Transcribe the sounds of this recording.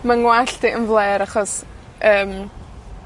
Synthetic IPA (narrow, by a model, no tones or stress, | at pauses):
maŋwaɬd̥iʔənvlˠeːɾaχɔs | ʔəːm